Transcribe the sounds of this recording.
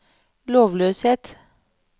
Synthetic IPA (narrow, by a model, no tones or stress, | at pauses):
loːʋløːsheːt̪